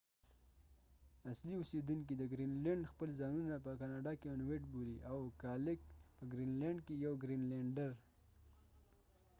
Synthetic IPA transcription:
asliʊsed̪uŋk̬id̪əɡɾinleɳɖxpəlzɑnunapəkɑnɑɖɑkeanweʈboliʔawkɑlɪkpəɡɾinleɳɖkejawɡɾinleɳɖəɾ

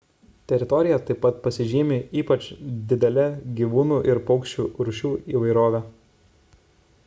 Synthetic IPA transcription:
t̪ʲɛɾʲɪt̪ɔɾʲɪjɛt̪ɐɪpːɐt̪̚pɐsʲɪʒʲiːmʲeiːpɐt͡ʃd̪ʲɪd̪ʲɛlʲɛɡʲiːʋuːnuːʔɪɾpɒʊkʃʲt͡ʃʲuːɾʊʃʲuːiːʋɐɪɾoːʋʲɛ

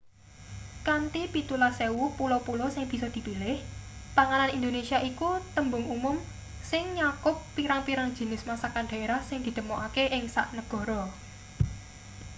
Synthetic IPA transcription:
kant̪ipit̪ulasewupulɔpulɔsɪŋb̥i̤sɔd̪̥i̤pilɪhpaŋalanind̪onesiaʔikut̪əmbʊŋumʊm | sɪŋɲakʊpːiɾaŋpiɾaŋd̥ʒ̥i̤nɪsmasakanɖ̪̥a̤eɾahsɪŋd̪̥i̤d̪̥əmoʔakeʔɪŋsa̰ʔnəɡ̥ɔ̤ɾɔ

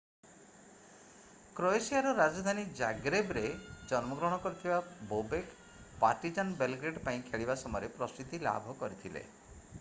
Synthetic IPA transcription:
kɾoesiaɾɔɾad͡ʒɔd̪ʱanid͡ʒaɡɾebɾed͡ʒɔnmɔɡɾɔɽ̃ɔkɔɾit̪ʰibabobek | paʈid͡ʒanbelɡɾeɖpaĩkʰeɭibasɔmɔjɔɾepɾɔst̪ut̪ila̰bʱɔkɔɾit̪ʰilḛ

